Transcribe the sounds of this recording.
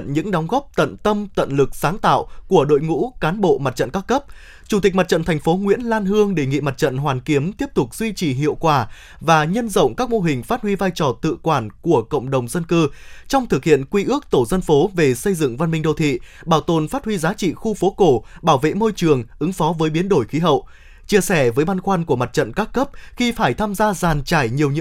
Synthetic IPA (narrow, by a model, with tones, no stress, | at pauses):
nɲɨ̰˧˥ŋɗɔ˨˦ŋ͡mɣɔ˦˥p̚t̪ə̰˧˨nt̪ə˧mt̪ə̰˧˨nlɨ˨˩k̚saː˨˦ŋt̪a̰ː˧˨wku˧˩əɗo̰˧˨jŋṵ˧˥kaː˨˦nɓo̰˧˨ma˨˩t̚t͡ɕə̰˧˨nkaː˦˥kə˦˥p̚ | t͡ɕu˧˩t̪ï˨˩k̟ma˨˩t̚t͡ɕə̰˧˨nt̪ʰɛ˨˩ŋ̟fo˨˦ŋwḭ˧˥ənlaː˧nɦɨ˧əŋɗe˧˩ŋḭ˧˨ma˨˩t̚t͡ɕə̰˧˨nɦwaː˨˩nki˨˦əmt̪i˦˥əp̚t̪ʊ˨˩k͡p̚z̥wi˧t͡ɕi˨˩ɦḭ˧˨əwkwaː˧˩ | vaː˨˩ɲə˧nzə̰˧˨wŋ͡mkaː˦˥k̚mo˧ɦï˨˩ŋ̟faː˦˥t̚hwi˧vaː˧jt͡ɕɔ˨˩t̪ɨ̰˧˨kwaː˧˩nku˧˩əkə̰˧˨wŋ͡mɗə˨˩wŋ͡mzə˧nkɨ˧t͡ɕɔ˧wŋ͡mt̪ʰɨ˨˩k̚hḭ˧˨ənkwi˧ʔɨ˦˥ək̚t̪o˧˩zə˧nfo˨˦ve˨˩sə˧jzɨ̰˧˨ŋva˧nmï˧ŋ̟ɗə˧˩wt̪ʰḭ˧˨ | ɓaː˧˩wt̪o˨˩nfaː˦˥t̚hwi˧zaː˨˦t͡ɕḭ˧˨xu˧fo˨˦ko˧˩ɓaː˧˩wvḛ˧˨mo˧jt͡ɕɨ˨˩əŋʔɨ˨˦ŋfɔ˨˦vəː˨˦jɓi˨˦ənɗo˧˩jxi˨˦ɦə̰˧˨w | t͡ɕi˧əsɛ˧˩vəː˨˦jɓa˧nxwaː˧nku˧˩əma˨˩t̚t͡ɕə̰˧˨nkaː˦˥kːə˦˥p̚xi˧faː˧˩jt̪ʰaː˧mzaː˧zaː˨˩nt͡ɕaː˧˩jɲi˨˩əwɲɨ̰˧˥